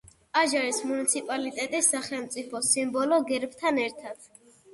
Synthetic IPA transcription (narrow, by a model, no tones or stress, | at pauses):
aʒaɾismunit̪sʰipʼalit̪ʼɛt̪ʼisːaχɛlˠmt̪sʼipʰɔsimbɔlɔɡɛɾbt̪ʰanɛɾt̪ʰad̪̥